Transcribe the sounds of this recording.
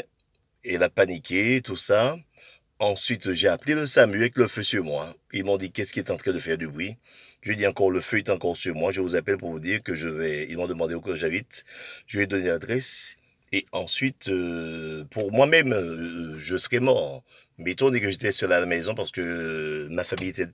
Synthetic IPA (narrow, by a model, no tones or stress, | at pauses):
ɛlapanikʲʰet̪usa | ɑ̃sɥit̪ʒeapleləsamyɛkləføsyʁmwailmɔ̃d̪ikʲɛsə̥kʲiɛt̪ɑ̃t̪χɛ̃d̪əfɛʁd̪ybʁi | ʒed̪iɑ̃kɔʁləføet̪ɑ̃kɔʁsyʁmwaʒəvuzapɛlpuʁvud̪iʁkəʒəvɛilmɔ̃d̪əmɑ̃d̪eokɔʒabit̪ʒəvɛd̪ɔnelad̪ʁɛs | eɑ̃sɥit̪øpuʁmwamɛm | ʒəsəʁɛmɔʁ | mɛit̪ɔ̃d̪ekəʒet̪ɛsyʁlalamɛzɔ̃paʁsə̥kəmafamijet̪ɛ